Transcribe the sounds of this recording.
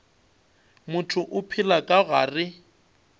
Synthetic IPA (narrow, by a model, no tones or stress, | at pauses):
mʊtʰʊʔʊpʰɪlakʼaɣaːrɪ